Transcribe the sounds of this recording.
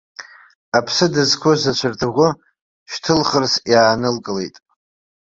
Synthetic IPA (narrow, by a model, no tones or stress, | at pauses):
apʰsɨdɨzkʷʰʊzat͡ʃʷʰartʰɨʁʷʊ | ʃᶣtʰɨlχərsjaːnɨlkʼɨlḛjtʼ